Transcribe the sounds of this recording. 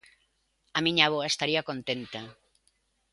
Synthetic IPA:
amĩɲaβ̞oɐest̪aɾiɐkont̪ent̪ɐ

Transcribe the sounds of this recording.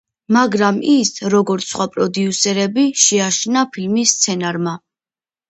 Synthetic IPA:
maɡɾamisɾɔɡɔɾt̪ssχwapʼɾɔd̪iusɛɾɛbiʃɛaʃnapʰilmisːt̪sʰɛnaɾma

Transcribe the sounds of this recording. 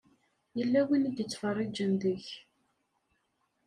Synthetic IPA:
jəlːæwənid̪jət͡sːfərˤːid͡ʒənðəç

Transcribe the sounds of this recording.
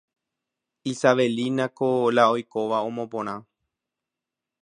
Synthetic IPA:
isaʋe̞linãkolaojkoʋaõmõ̞põ̞ɾ̃ã

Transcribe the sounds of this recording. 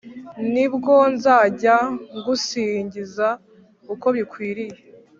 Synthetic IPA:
nibɡo̞nzaːɟaŋɡusiːɲɟiza | uko̞βikwiːɾije

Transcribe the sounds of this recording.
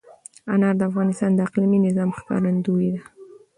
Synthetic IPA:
anaɾd̪əafɣɑnɪst̪ɑnd̪əɪqliminɪzɑmxkɑ̰ɾand̪uid̪a

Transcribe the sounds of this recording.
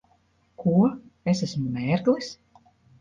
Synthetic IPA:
kuɔes̬æsmumʲɛːɾɡlˠis

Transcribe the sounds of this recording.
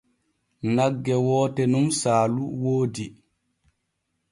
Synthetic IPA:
naɡːɛwɔːtɛnumsaːluwoːdi

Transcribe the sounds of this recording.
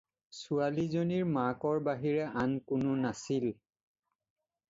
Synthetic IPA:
sualizoniɹmakɔɹbaɦiɹɛʔankʊnʊnasil

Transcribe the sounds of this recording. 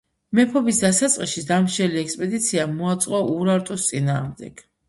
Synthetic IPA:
mɛpʰɔbisd̪asat̪sʼqʼiʃid̪amʃɛliɛkspʼɛd̪it̪sʰiamɔat̪sʼqʼɔʔuɾaɾt̪ʼust̪sʼina̰ːʁmd̪ɛ̰ɡ̥

